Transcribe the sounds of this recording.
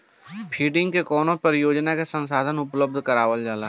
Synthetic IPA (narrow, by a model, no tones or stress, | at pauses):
pʰiːɖɪ̃ŋɡkekɔːnõpəɾjoːd͡ʒnakesə̃nsaːd̪ʱənʊpləb̚d̪ʱkəɾaːʋəld͡ʒaːla